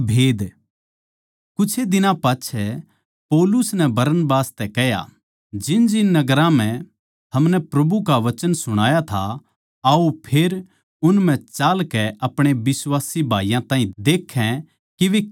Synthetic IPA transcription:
bʱeːd̪ | kʊt͡ʃʰed̪ɪnãpaːtːt͡ʃʰɛ | pɔːlʊsnɛbɐɾənbaːst̪ɛkɛja̰ | d͡ʒɪnd͡ʒɪnːɐɡəɾãm̤ɛ̃ | t̪ʰɐmnɛpɾɐbukaʋɐt͡ʃənsʊɽ̃aːjat̪ʰa̰ | aupʰeːɾ | ʊnm̤ɛ̃t͡ʃaːlkɛʔɐpɽ̃ebɪswaːsibʱaːijãt̪ãːɦĩd̪eːkʰːɛ̃ | kiʋe

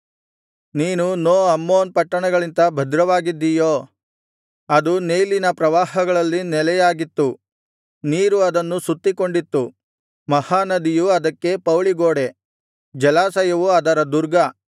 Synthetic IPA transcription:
niːnunoːɐmːoːnpɐʈːɐɳɐɡɐɭint̪ɐbʱɐd̪ɾɐʋaːɡid̪ːijoː | ɐd̪uneːjlinɐpɾɐʋaːhɐɡɐɭɐlːinɛlɛjaːɡit̪ːu | niːɾuɐd̪ɐnːusut̪ːiko̞ɳɖit̪ːu | mɐhaːnɐd̪ijuɐd̪ɐkːe̞pɐwɭiɡoːɽe | d͡ʒɛlaːsɐjɐʋuɐd̪ɐɾɐd̪uɾɡɐ

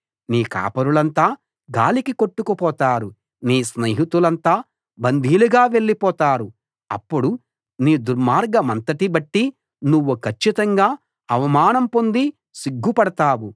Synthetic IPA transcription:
niːka̰ːpɐɾuɭɐnt̪aː | ɡa̰ːlikiko̞ʈːukupɔːt̪aːɾu | niːsneɦit̪ulɐnt̪aː | bɐnd̪ʱiːluɡaːʋe̞ɭːipɔːt̪aːɾu | ɐ̰pːuɽu | niːd̪uɾmaːɾɡɐmɐnt̪ɐʈibɐʈːi | nuʋːukʰɐt͡ʃːit̪ɐŋɡaː | ɐʋɐmaːnɐmpo̞nd̪i | siɡːupɐɽɐt̪aːwu

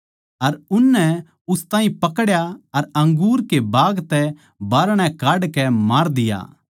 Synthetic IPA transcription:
ɐɾʊnːɛ | ʊst̪ãːĩpɐkɽjaɐɾɐ̃ŋɡuːɾkebaːɡt̪ɛ | baːɾɽ̃ɛ̃kaːɖkɛmaːɾd̪ɪja̰ː

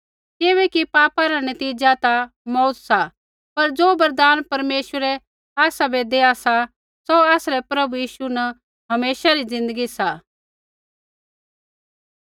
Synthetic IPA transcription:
kɪβɛkipaːpaɾanɐt̪iːd͡ʒat̪a | mɔːt̪sa | pɐɾd͡zoːbɐɾd̪aːnpɐɾmeːʃwəɾɛ | aːsabed̪eːasa | soaːsɾɛpɾɐbujiːʃunɐ | ɦɐmeːʃaɾid͡zɪ̃nd̪əɡisaː

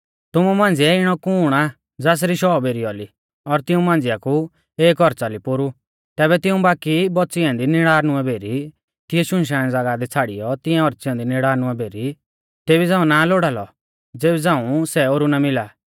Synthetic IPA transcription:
t̪ʊmumãːn̆d͡zɪɛɪɽ̃ɔkuːɽ̃a | d͡zaːs̬ɾiʃɔːbeːɾiɔli | ɔɾt̪ɪũmãːnd͡zɪjaku | eːkɔɾt͡salipʊɾu | t̪ɛːβɛt̪ɪũbaːkibɔtːt͡sɪɛ̃ːnd̪inɪɽaːɾñʊɛbʱeːɾi | t̪ɪjɛʃʊ̃nʃ̬aːɽ̃ɛd͡zaɡad̪it͡sʰaːɽḭjɔt̪ɪ̃ɛ̃ɔɾt͡sjɛ̃ːnd̪inɪɽaːɾnʊɛbʱeːɾi | t̪eːbid͡zãːũnaloːɽalɔ̰ | d͡zeːbɛd͡zãːũsɛoɾunamɪlaː

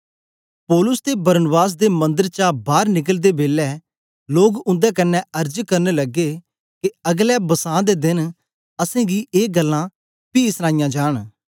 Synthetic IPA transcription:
pɔːlʊsd̪eːbɐɾnbaːs̬d̪eːmɐ̃nd̪əɾt͡ʃabaːɾnɪk̬əld̪eːbeːlːɛː | loːɡʊ̃nd̪ɛːkɐnːɛəɾd͡ʒkɐɾneːlɐɡeː | keɐɡlɛːbəsãːd̪eːd̪ɪn | əsẽːɡiːʔeːɡəlːãː | piːsnaːɪjãːd͡ʒaːɽ̃

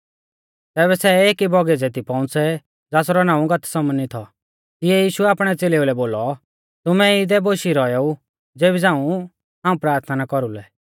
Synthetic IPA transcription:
t̪ɛːβɛsɛeːkibʱɔɡɛd͡zeːt̪̬ipɔ̃ʊ̃t͡sɛ | d͡zaːsɾɔnãːũɡɐt̪ʰsɐmənit̪ʰɔ | t̪ɪɛjiːʃuɛaːpɽ̃ɛt͡seːleːulɛboːlɔ | t̪ʊmɛɪd̪ɛboːʃiɾɔjɔu | d͡zeːbid͡zãːũ | ɦãːũpɾaːɾt̪ʰnakɔɾulɛ

